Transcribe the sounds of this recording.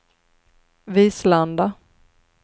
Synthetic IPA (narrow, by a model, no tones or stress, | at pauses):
viːsland̪a